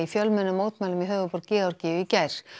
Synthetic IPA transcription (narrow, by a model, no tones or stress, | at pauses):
ifjœlmɛnːʏmːoːwt̪majlʏmjɛɦœːvʏpɔɾcɪːɣaɾcɪːʏicajɾ̥